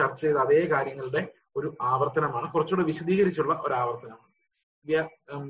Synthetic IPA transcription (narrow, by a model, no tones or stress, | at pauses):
ɐrt͡ɕːejðɐðe̞ːkaːɾjɐŋːɐɭɨɽe̞ | o̞ɾuaːʋɐrt̪ɐnɐmaːɳɨkurɐt͡ɕːoːɽeʋiɕɐd̪iːɣɐɾit͡ɕːuɭːɐʔo̞ɾaːʋɐrt̪ɐnɐmaːɳɨ | ʋja